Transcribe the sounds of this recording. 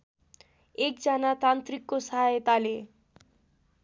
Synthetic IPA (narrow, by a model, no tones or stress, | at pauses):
ek̚d͡zʌnat̪ant̪rikːosaɦajt̪ale